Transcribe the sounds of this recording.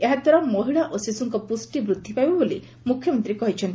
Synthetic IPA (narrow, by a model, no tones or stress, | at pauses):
eɦad̪ʱwaɾɔmɔɦiɭaʔosisuŋkɔpusʈibɾud̪ʱːipajbɔboli | mukʰjɔmɔnt̪ɾiekɔɦit͡ʃʰɔnt̪